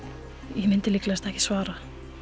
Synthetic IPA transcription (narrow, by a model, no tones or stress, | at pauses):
jɛmɪnt̪ɪlɪklaɛst̪ɛhcɪ̥svaːɾa